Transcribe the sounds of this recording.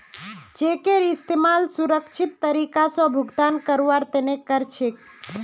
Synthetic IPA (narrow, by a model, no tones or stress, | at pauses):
d͡ʒekeɾist̪emalsuɾəkt͡ʃʰit̪ːəɾikasɔ̃bʱuɡd̪ankəɾʋaɾt̪enekːəɾt͡ʃʰek̚